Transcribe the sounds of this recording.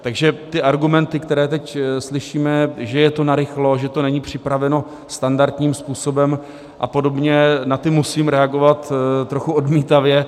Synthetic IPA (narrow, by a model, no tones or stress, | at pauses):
t̪aɡʒɛt̪ɪʔaɾɡumɛnt̪ɪkt̪ɛɾɛːt̪ɛcslɪʃiːmɛʒɛjɛt̪o̞naɾɪxlo̞ʒɛt̪onɛɲiːpr̝̥ɪpɾavɛno̞ | st̪andaɾt̪ɲiːmspuːso̞bɛm | ʔa̰po̞do̞bɲɛnat̪ɪmusiːmɾɛaɡo̞vat̪t̪ːɾoxuo̞dmiːt̪avjɛ